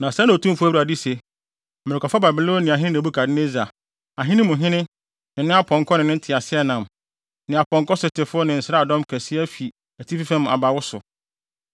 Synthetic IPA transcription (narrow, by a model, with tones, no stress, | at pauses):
nã˨sɛ˦ñ˨tʰũ˦fʊ˦æ˦u˦a˨di˦se˨ | m̃˨ɾɪ˨kʰʷa˨fa˦ba˨bɪ˨lo˦nɪ̃˨a˨ɦɪ̃˦nɪ̃˦na˨bu˦kʰa˨dɪ˦ne˦za˨ | a˨ɦɪ̃˦nɪ̃˦mʊ̃˨ɦɪ̃˦nɪ̃˦ | nɪ̃˨nɪ̃˦a˦pʰɔ̃˨ŋ˨kʰɔ˦nɪ̃˨nɪ̃˦tʰɪ˨a˨sɪ˦ɛ˦nã˨m | nɪ̃˨a˨pʰɔ̃˨ŋkɔ˦sʊ˨tʰɪ˨fʊ˦ɔ˦nɪ̃˨n̩˨sa˦a˨dɔ̃˦mkʰæ˨sɪ˦æ˦fi˨ | æ˨tʰi˦fi˦fɛ̃˦m˨a̰˨ba˨wʊ˦sʊ˨